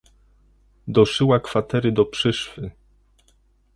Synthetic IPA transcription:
d̪ɔʂɘwakfat̪ɛɾɘd̪ɔpʂɘʂfɘ

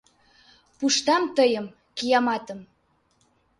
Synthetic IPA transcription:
puʃt̪ɑmt̪əjəm | kijɑmɑt̪əm

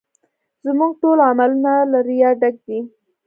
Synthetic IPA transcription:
zmuɡʈolamalunalaɾijaɖaɡ̚d̪i

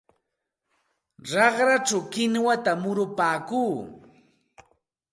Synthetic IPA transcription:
ɾɑχɾat͡ʃawkɪnwat̪amʊɾʊpaːkuː

